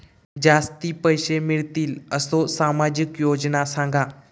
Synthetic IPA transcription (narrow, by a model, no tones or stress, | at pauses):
d͡ʑaːst̪ipəjʃemɪɭt̪iːləsosaːmad͡ʑɪkjoːd͡ʒnasãŋɡʱaː